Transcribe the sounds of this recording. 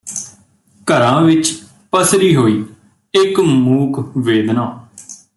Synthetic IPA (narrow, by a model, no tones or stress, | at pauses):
kəɾãːʋɪt͡ʃ | pəsɾiːɦoːiː | ɪkmuːkʰʋeːd̪nãː